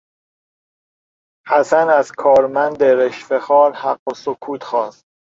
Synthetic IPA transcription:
hæsænæzkʰɒːɾmænd̪eɾeʃfexɒːɾhæɢːosokʰuːt̪ʰxɒːst̪̚

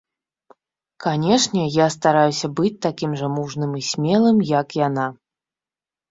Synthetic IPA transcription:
kanʲɛʂnʲɛjast̪aɾajusʲɐbɨt͡sʲt̪akʲimʐɐmuʐnɨmisʲmʲɛlˠɨmjɐkjana

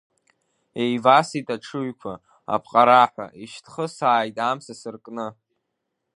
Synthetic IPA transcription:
ejvasitʼaʈ͡ʂʰɨɥkʷʰa | a̰pʰqʼaɾaħʷa̰ʔiʃtʰχəsaːjtʼamsasɨrkʼnɨ

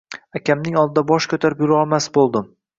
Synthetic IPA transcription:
akʲʰamnɪŋɒlˠd̪ɪd̪abɒʃkʰɵt̪ʰaɾɪpjʊɾɪɒlˠmasbolˠd̪ɪm

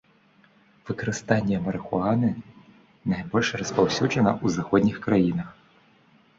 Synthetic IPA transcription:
vɨkɐɾɨst̪anʲːɛmɐɾɨxʊanɨ | najbɔlʲʂrɐspawsʲuʐɐnɐʔuzaxɔd̪ʲnʲixkɾajinɐx

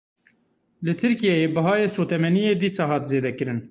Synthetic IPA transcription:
lɨt̪ʰɨɾkijɛjeːbɨɦɑːjeːsoːt̪ɛmɛnijeːd̪iːsɑːɦɑːt̪zeːd̪ɛkɨɾɨn

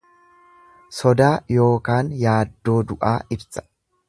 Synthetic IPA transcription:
sɔd̪aːjo̞ːkaːnjaːd̪ːo̞ːd̪ʊʔaːɪbsɐ̥

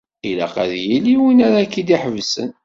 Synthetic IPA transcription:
ilæ̰qæ̰ðjiliwinæɾakːid̪iħəvsə̰n

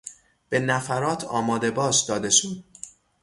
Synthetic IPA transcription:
b̥enæfæɾɒːt̪ʰɒːmɒːd̪e̞bɒːʃd̪ɒːd̪e̞ʃuːnd̪

